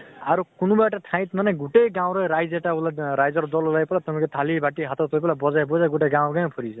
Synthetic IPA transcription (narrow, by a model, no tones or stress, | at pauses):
aɾukunubaʈaʈʰãj̃t̪manʌɡuʈejɡãw̃ɾʌɾajd͡zeʈaɦulaɾajd͡zʌɾd͡zɔlolajpɔlat̪ɔmket̪ʰalibʱaʈːiɦat̪ʰat̪ʌpelabɔd͡zajbɔd͡zaɡuʈeɡaw̃ɡãj̃pʰɔɾisʰʌ